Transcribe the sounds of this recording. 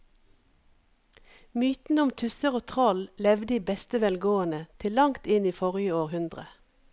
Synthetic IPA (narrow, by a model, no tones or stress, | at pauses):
myːt̪n̩ʊmt̪ʰʉsəʁoːt̪ʰʁɔllɛʋd̪iːbɛst̪əʋɛlɡoːənət̪ʰɪllɑŋt̪ɪniːfɔʁjəoːʁhʉnd̪ʁə̰